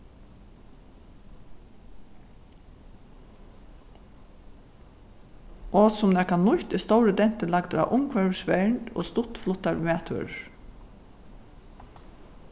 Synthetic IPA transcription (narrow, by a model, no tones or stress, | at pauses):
ɔsʊmnɛːkanʊht̪ɪst̪ɔwɾəd̪ɛn̥t̪əlakd̪ɾa̰ʔʊmkʰʋɛɹsʋɛɳt̪ɔ̰ːst̪ʊt̪flʊt̪ːaɹmɛːt̪ʰʏ̰ɹ